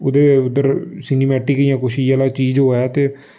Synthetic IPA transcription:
ʊd̪eːʊd̪əɾsɪniːmɛːʈɪkijãːkʊʃiːaːlaːt͡ʃiːd͡ʒɦoːɛːt̪eː

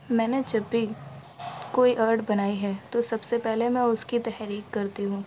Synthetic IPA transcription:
mɛ̃ːned͡ʒɐbʱːi | koːiʔəɾɖbɐnaːiɦɛːt̪osɐbsepɛɦlemɛ̃ʊskit̪ɛɦɾiːkːɐɾt̪iɦũː

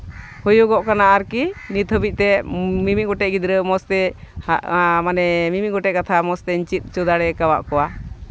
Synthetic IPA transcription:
hujuɡɔʔkanaʔaɾkinit̪ʰəbic̚t̪ɛmimiɡɔʈɛʔ̚ɡid̪ɾəmɔst̪ɛ | manɛmimiɡɔʈɛʔ̚kat̪ʰamɔst̪ɛɲt͡ʃit̪̚ˀt͡ʃud̪aɽɛkawa̰ʔkɔwa

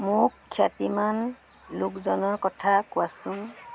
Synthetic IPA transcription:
mʊkʰːjatiman | lʊkzɔnɔɹkɔtʰakʊasʊŋ

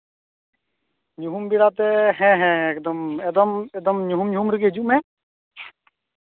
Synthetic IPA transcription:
ɲuɦumbiɽat̪ɛɦɛ̃ɦɛ̃ekd̪ɔmɛd̪ɔmɛd̪ɔmɲuɦumɲuɦumɾiɡid͡ʒuʔmɛ̃

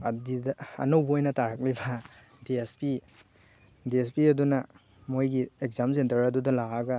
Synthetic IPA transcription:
ɐdidɐɐ̰nowbɐojnɐtaɾɐk̚libɐ | diespi | diespiɐdunɐ | mojɡiekzamsentɐɾɐdudɐlaɐɡɐ

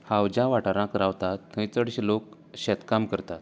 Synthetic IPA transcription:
hawd͡ʑãʋaʈaɾãkɾaʋt̪at̪ːə̃jt͡səɽɕilok | ɕɛt̪kamkəɾt̪at̪̚

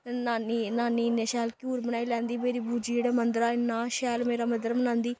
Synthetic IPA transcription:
t̪ɛːaːninaːniːɪnaːʃɛːlkuːɾbənaːiːlɛ̃ːnd̪iːmeːɾiːbʱuːd͡ʒiːeːɽaːmənd̪ɾaːɪnːaːʃɛːlmeːɾaːməd̪əɾmənãːnd̪iː

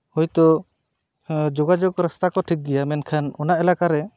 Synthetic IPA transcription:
hujt̪ɔ | d͡ʒɔɡad͡ʒɔɡɾəst̪akɔʈʰik̚ɡɛjamɛnkʰanɔnaʔɛlakaɾɛ

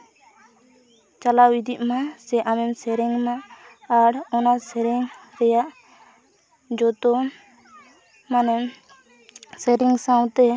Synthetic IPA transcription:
t͡ʃalawid̪ʱiʔ̚masɛʔamɛmsɛɾɛŋmaː | ɽɔnasɛɾiŋɾɛjaʔ | d͡ʒɔt̪ɔ | manɛm | sɛɾiŋsãwt̪ɛ

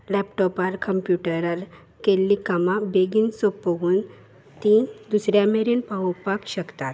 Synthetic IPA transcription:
lɛpʈɔpalkəmpjuʈəɾal | kelːikamabeɡinsopːəɡuːn | t̪id̪usɾjameɾenpaʋpakɕəkt̪at̪

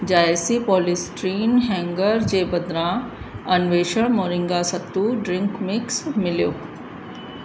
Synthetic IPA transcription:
d͡ʑaːjesipɔːlisʈɾiːnɦɛ̃ːŋɡəɾd͡ʑeːbɐd̪ɾã | ɐnʋeːʃəɽ̃moːɾɪ̃ŋɡasɐt̪ːuɖɾɪ̃ŋkmɪksmɪljoː

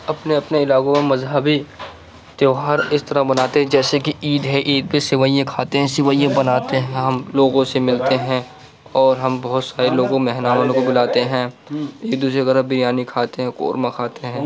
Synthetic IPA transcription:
ɐpneɐpneɪlaːkõmemɐzɦəbi | t̪joːɦaːɾɪst̪ɐɾabɐnaːt̪eɦɛ̃d͡ʒɛːsekiiːd̪ɦɛ̃ʔiːd̪̚pesɪʋaːijẽkʰaːt̪eɦɛ̃sɪʋaːijẽbɐnaːt̪eɦɛ̃ɦɐmloːɡõsemɪlt̪eɦɛ̃ | ɔːɾɦɐmbɔːʊt̪saːɾeloːɡõmɛɦnaːmənõkobɪlaːt̪eɦɛ̃ | eːk̚d̪uːs̬ɾeɡɛɾabɪɾjaːnikʰaːt̪eɦɛ̃ko̰ːɾmãkʰaːt̪eɦɛ̃ː

